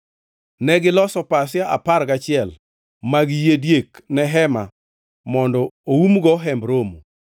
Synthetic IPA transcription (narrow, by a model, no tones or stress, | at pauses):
nɛɡɪlɔsɔpas̬ɪjaʔa̰paɾɡat͡ʃɪɛl | maɡjedjeknɛɦɛma̰ | mɔndɔoumɡɔɦɛmbɾomu